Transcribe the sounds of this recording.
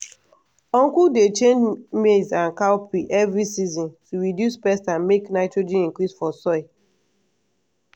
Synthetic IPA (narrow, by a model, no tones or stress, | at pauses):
ɔ̃ŋkudet͡ʃẽnd͡ʒmezãnkaʊpiʔɛvɹisizɔ̃ntuɹidjuspɛstãnmeknaɪtɹod͡ʒĩĩŋkɹisfɔsɔɪ